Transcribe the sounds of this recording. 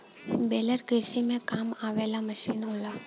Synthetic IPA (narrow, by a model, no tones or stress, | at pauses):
beːləɾkeːsimẽkaːmaːʋɛːlamɐʃiːnɦoːlaː